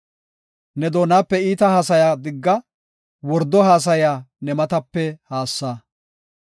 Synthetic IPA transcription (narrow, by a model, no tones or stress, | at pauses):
nɛd̪o̞ːnaːpːɛiːt̪ɐhaːsɐjaːd̪ɪɡːɐ | wɔɾd̪ɔɦaːs̬ɐjaːnɛmɐt̪ɐpːɛhaːsːaː